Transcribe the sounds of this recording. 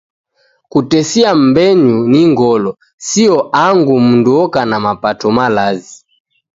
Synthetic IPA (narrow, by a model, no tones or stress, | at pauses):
kutɛsiam̩bɛɲuniŋɡɔlɔ | siɔʔaŋɡumunduɔkanamapatɔmalazi